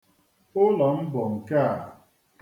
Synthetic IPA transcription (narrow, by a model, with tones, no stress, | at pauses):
ʊ˦lɔ˨m̩˦bɔ˨ŋ̩˨ka˦a˨